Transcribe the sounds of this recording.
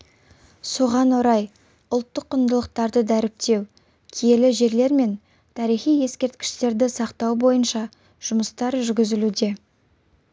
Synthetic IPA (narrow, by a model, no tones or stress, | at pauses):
so̞ʁɑnwoɾɑj | ʊlˠt̪ːəqːʊnd̪əlˠəq̚t̪ɑɾd̪əd̪æɾɪp̚t̪e̞w | kʲʰije̞lɪʒe̞ɾle̞ɾme̞n | t̪ʰɑɾijχije̞skʲe̞ɾt̪kʲɪ̥ʃt̪e̞ɾd̪ɪsɑqt̪ɑwbo̞jənʃɑ | ʒ̥ʊməst̪ɑɾʒʏɾɡʲɪzɪlud̪e̞